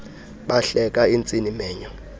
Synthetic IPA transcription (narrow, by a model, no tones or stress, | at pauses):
ɓaɬɛkʼaint͡sʼinimɛːɲɔ